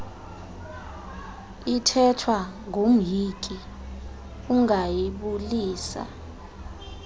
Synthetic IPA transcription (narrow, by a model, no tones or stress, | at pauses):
itʰɛtʰwaŋʱom̩jikʼi | uŋajiɓuliːsa̰